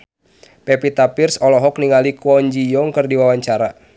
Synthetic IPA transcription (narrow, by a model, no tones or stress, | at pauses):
pɛpit̪apirsɔlɔɦɔk̚niŋalikɔɲd͡ʒijɔŋkərdiwawaɲt͡ʃaɾa